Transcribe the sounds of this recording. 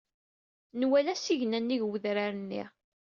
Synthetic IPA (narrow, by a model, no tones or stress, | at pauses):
nwælæsiʝnænːiʝwəðɾaɾənːḭ